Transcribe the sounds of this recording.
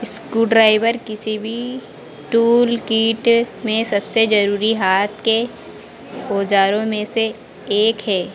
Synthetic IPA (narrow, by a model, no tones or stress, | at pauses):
ɪskuːɖɾaːɪʋəɾkɪsibʱi | ʈuːlkiːʈmẽsɐbsed͡ʒɐɾuːɾiɦaːt̪ʰke | oːd͡ʒaːɾõmẽse | eːkɦɛː